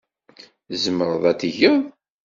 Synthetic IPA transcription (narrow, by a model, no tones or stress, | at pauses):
zəməɾˤəðˤæt̪ːiʝəðˤ